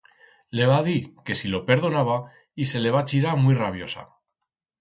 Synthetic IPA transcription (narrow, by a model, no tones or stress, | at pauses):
le̞βaðike̞silo̞pe̞ɾð̞o̞naβa | ise̞le̞βat͡ʃiɾamwijraβ̞jo̞sa̰